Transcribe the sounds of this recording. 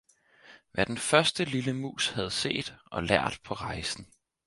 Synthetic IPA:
ʋæɐd̥enfɶɐsd̥əliləmṵːshæð̞̩ˠse̝̰ːd̥ʔɒ̽læɐ̰d̥pʰɒ̽ʁɑ̈ɪsn̩

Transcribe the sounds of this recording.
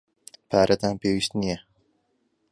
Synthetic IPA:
pʰaːɾʔɐt̪aːnpeːwiːʃt̪nijɛ

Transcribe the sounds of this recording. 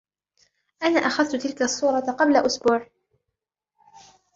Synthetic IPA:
ʔanaːʔaxaðt̪ʊt̪ɪlkasˤːuːɾˤɑqɑblaʔʊsbuːʕ

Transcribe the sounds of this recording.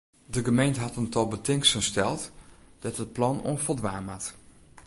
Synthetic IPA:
dəɡəmejntəɦɑtəntɔlˠbətɪŋksənstɛlˠtd̥ɛtɦət̚plɑno̰nfəlˠdʋaːmat

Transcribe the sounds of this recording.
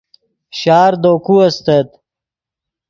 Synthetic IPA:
ɕaːɾd̪oːkuɐst̪ɐt̪

